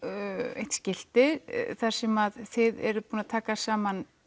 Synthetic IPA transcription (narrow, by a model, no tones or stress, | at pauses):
ḛjht̪scɪl̥t̪ɪθaɾ̥sɛmaðθɪðɛ̰ɾʏpuːnat̪ʰaːkasaːman